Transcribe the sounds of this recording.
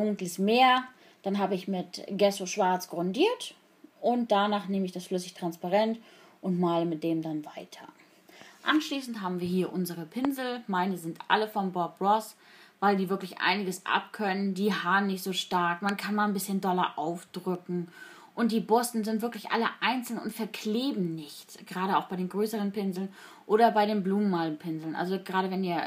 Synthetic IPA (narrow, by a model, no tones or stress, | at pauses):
dʊŋkləsmeːɐ | d̥anɦaːbəɪçmɪtɡ̥ɛsoʃv̥aɐt͡sɡ̥ʁɔndiːɐt | ʔʊnt̚d̥anaːχneːməɪçd̥asflʏsɪçtʁ̥anspaʁɛntʔʊntmaːləmɪt̚d̥eːmdanvaɪtʰɐ̰ | ʔanʃliːsn̩tɦaːbm̩viːɐɦiːɐʔʊnzəʁ̞əpʰɪnzl̩maɪnəzɪntʔa̰ləfɔmbɔɐp̚bʁɔs | vaɪldiːvɪɐklɪçʔa̰ɪnɪɡəsʔa̰p̚kʰœnəndiːɦhaːənːɪçtz̥oːʃtaɐkmankʰanmaːnbɪsçəndɔlɐ̰ʔaʊfd̥ʁʏkŋ̩ | ʔʊnt̚d̥iːbʊsn̩zɪntv̥ɪɐklɪçʔa̰ləʔaɪnt͡sl̩nʊntfɛɐkʰleːbm̩nɪçtɡ̥əʁaːɾəaʊxb̥aɪdeːnɡʁøːsəʁ̞ənpɪnzl̩n | ʔoːɾɐbaɪɾeːnbluːmənːaːlnpʰɪnzl̩nʔa̰lzoɡʁaːɾəvɛniːɐ